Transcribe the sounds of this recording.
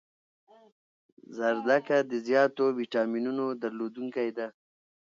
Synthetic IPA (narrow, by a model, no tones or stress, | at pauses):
zaɾd̪akad̪əzjɑːt̪owiʈɑminunod̪aɾlod̪uŋkajd̪a